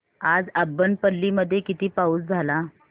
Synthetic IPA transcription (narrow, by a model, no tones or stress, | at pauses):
ad͡zabːənpəlːiːməd̪ʱːjekit̪iːpauːt͡sd͡zʱala